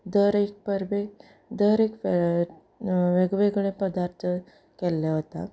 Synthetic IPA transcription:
d̪əɾek̚pəɾbe | d̪əɾek | ʋeɡʋeɡɽ̃ẽpəd̪aɾt̪ʰə | kɛlːeɦot̪a̰

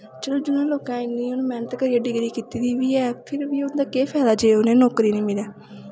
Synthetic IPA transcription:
t͡ʃəloːd͡ʒʊnãːloːkãːɪnĩːʊnːmɛːnət̪kəɾiːeːɖɪɡɾiːkiːt̪iːd̪iːʋiːɛːpʰɪɾʋiːʊnd̪aːkeːpʰɛːlaːd͡ʒeːʊnẽːnoːkɾiːnĩːmɪlaː

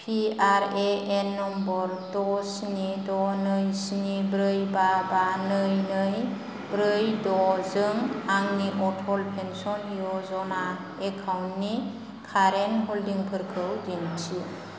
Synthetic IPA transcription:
pʰiaɾeenːɔmbɔɾtɔsnidɔnɯjsnibɾɯjbabanɯjnɯj | bɾɯjdɔzɯŋaŋniʔɔʈʰɔlpʰensɔnɦijɔzɔna | ekʰawnnːi | kʰaɾenɦoldiŋpʰɯɾkʰɯwdintʰi

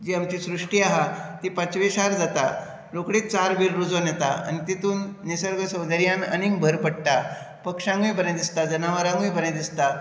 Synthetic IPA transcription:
d͡ʑiamt͡ɕisɾuʂʈiːaɦat̪ipãt͡sʋeɕaɾd͡zat̪a̰ | lokɽit͡saɾʋiɾːud͡zonjɛt̪a̰a̰nit̪it̪uːnːisəɾɡəsə̃wd̪əɾijãnə̰nĩŋɡbʱəɾpəɽʈ̪a | pəkʂãŋɡʋĩbəned̪ist̪ad͡zənaʋəɾãŋɡʋĩbəned̪ist̪a

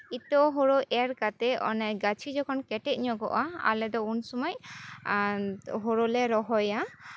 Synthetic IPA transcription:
it̪ɔɦoɾoʔɛɾkat̪ɛɔ̰nɛɡat͡ʃʰid͡ʒɔkʰɔnkɛʈɛt̪̚ˀɲɔɡɔ̰ʔaa̰lɛd̪ɔunsɔmɔj | ɦoɾolɛɾɔɦɔja

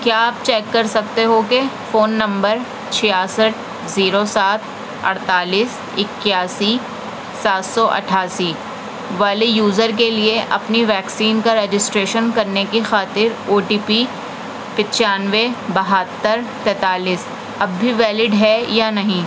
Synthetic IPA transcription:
kjaːaːp̚t͡ʃɛːkːɐɾsɐk̚t̪eɦokefoːnːɐ̃mbəɾ | t͡ʃʰɪjaːsəʈ̚ | ziːɾosaːt̪ʰ | ɐ̰ɽt̪aːliːs | ɪkːjaːsi | saːt̪sɔʔɐ̰ʈʰaːsi | ʋaːlijuːzəɾk̬elieʔɐ̰pniʋɛːksiːnkaɾeːd͡ʒɪsʈɾeːʃənkɐɾnekixaːt̪ɪɾoːʈiːpi | pɪt͡ʃaːnʋebɐɦat̪ːəɾt̪ɛ̃ːt̪aːliːs | ɐbːʱiʋɛːlɪɖɦɛjanɐɦĩː

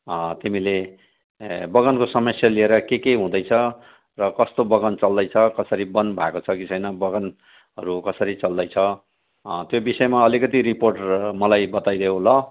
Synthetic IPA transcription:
t̪imile | bʌɡʌnkosʌmʌsjalieɾʌkekeɦũd̪ʌjt͡sʰʌ | rʌkʌst̪obʌɡʌnt͡sʌld̪ʌjt͡sʰʌkʌsʌɾibʌnbʱakot͡sʰʌkit͡sʰʌjnʌbʌɡʌn | ɦʌɾukʌsʌɾit͡sʌld̪ʌjt͡sʰʌ | t̪jobisʌemaʌlikʌt̪iɾiporʈmʌlajbʌt̪ajd̪ejõlʌ

